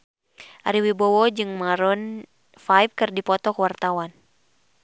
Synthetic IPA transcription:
ʔaɾiwibɔwɔd͡ʒɨŋmaɾɔn | fajfkɨrdipɔt̪ɔkwart̪awan

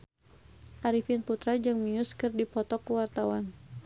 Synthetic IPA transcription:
ʔaɾifinput̪ɾad͡ʒɨŋmijuskɨrdipɔt̪ɔkuwart̪awan

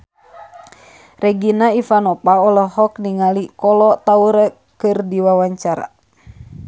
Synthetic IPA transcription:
rɛɡinaifanɔpaɔlɔɦɔkniŋalikɔlɔt̪auɾɛ | kɨrdiwawaɲt͡ʃaɾa̰

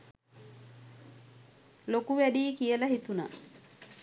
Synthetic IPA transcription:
lokuʋæɖiːkijələɦit̪una̰

